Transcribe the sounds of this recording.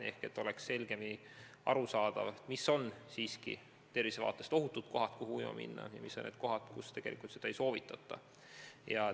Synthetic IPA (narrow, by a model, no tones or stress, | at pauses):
e̞hke̞t̪ːˑo̞leksse̞lɡ̥e̞mi | ɑ̰ɾusɑːd̪̥ɑvɑt̪misːo̞nsiːskḭ | t̪e̞rvisevɑ̰ːt̪ːˑe̞st̪o̞ɦut̪ːˑut̪̚ko̞ɦɑt̪kuhujmɑ̰mḭnːɑ̰jɑ̰misːo̞neːt̪̚ko̞ɦɑt̪kust̪eɡ̥e̞lʔḭkˑult̪sed̪ɑejso̞ːvit̪ːˑɑt̪ːˑɑ̰ | jɑ